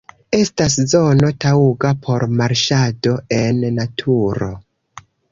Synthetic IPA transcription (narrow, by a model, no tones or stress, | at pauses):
e̞stas̬zo̞no̞tauɡapʰo̞ɾmaɾʃado̞e̞nːatʰuɾo̞̰